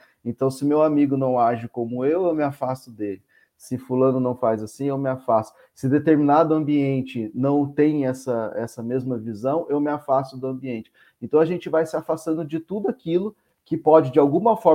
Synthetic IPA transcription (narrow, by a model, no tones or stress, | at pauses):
ẽnt̪ɐ̃w̃sɪmewamiɡʊnɐ̃w̃aʒɪkõmʊewewmɪafast̪ʊd̪elɪ | sɪfulɐ̃nʊnɐ̃w̃fajzasĩewmɪafast̪ʊ̥ | sɪd̪et̪eɾminad̪ʊɐ̃mbiẽnt͡ʃɪnɐ̃w̃t̪ẽj̃ɛsɐɛ̰sɐmezmɐvizɐ̃w̃ʔewmɪafast̪ʊd̪ʊɐ̃biẽnt͡ʃɪ̥ | ẽt̪ɐ̃w̃aʒẽnt͡ʃɪvajsɪafast̪ɐ̃nd̪ʊd͡ʒɪt̪ud̪ʊakilʊ | kɪpɔd͡ʒɪd͡ʒɪawɡũmɐfɔɾ